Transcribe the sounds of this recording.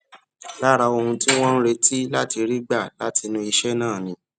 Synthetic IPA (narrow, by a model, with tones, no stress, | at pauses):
la˦ɾa˨˧o˧˨hũ˧ti˦w̃ɔ̃˦n̩˦ɾe˧˦tʰi˦la˦ti˧ɾi˦ɡ͡ba˦˨la˦ti˧nũ˦i˧ʃɛ˦nãː˦˨nĩ˦